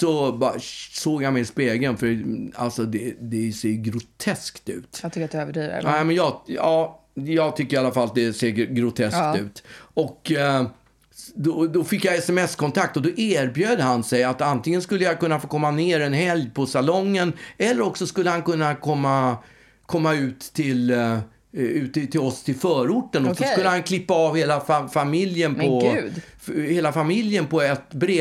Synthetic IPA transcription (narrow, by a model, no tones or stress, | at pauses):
sɔbsoːɡjamɛjspeːɡənfœɾa̰lsɔd̪ɛd̪ɛseːɡɾʊt̪ʰɛskt̪ʉ̟̰ːt̪t̪ʰʏkːat̪̚d̪øvəḭːnɛmɛnjɑɑːjɑːɡt̪ʰʏkːəɾɪalːafalːd̪ɛseːɡɾʊt̪ʰɛskt̪ʉ̟̰ːt̪ɔkː | d̪ɔd̪ɔfɪkːjaɛsɛmɛskɔnt̪ʰak̚t̪ɔd̪ɔʔeːɾbjøːd̪əɦansɛjat̪ant̪ʰɪŋːənskɵlːəjakɵnːafoːkʰɔmːaneːɾɛnɦɛljpʰɔsalɔŋːənɛlːəɾɔksɔskɵlːəhankɵnːakʰɔmːa | kʰɔmːaʉ̟ːt̪ʰːɪl | ʉ̟ːt̪ːt̪ʰːɪlɔst̪ʰɪlfœːɾʊʈːənɔsɔsk̪ɵlːəhankʰlɪpːaɑvheːlafafamɪljənpʰɔ | heːlafamɪljənpʰɔɛt̪bɾe